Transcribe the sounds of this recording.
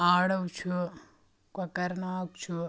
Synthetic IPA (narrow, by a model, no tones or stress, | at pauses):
aːɽɐwt͡ʃʰu | kɐkɐɾnaːk̚t͡ʃʰu